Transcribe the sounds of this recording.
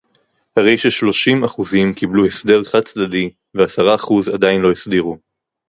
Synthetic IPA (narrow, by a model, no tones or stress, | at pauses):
haʁe̞jʃeʃlo̞ʃimaχuzimkibluhesde̞ʁχad̚t͡sdadi | veasaʁaːχuzadainlo̞isdiʁu